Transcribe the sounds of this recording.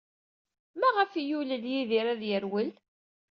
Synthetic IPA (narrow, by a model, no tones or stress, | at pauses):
mæʁəfijuləljiðiɾæðjəɾwəl